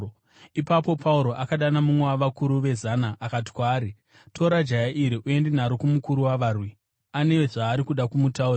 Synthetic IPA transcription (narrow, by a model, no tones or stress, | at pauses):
ipapo̞pʰauɾo̞ʔakaɗanamumwewaʋakuɾuʋe̞zanaʔːkati̥kwaːɾi | tʰo̞ɾad͡ʒajaʔiɾiʔue̞ndenaɾokumukuɾuwaʋaːrwi | ane̞ʋeʐaːɾikuɗakumutau